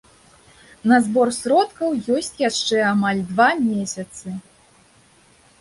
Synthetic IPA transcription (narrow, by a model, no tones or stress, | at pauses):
nɐzbɔrsɾɔt̪kɐwjɔsʲt͡sʲjaʂt͡ʂɛamalʲd̪vamʲesʲɐt̪sɨ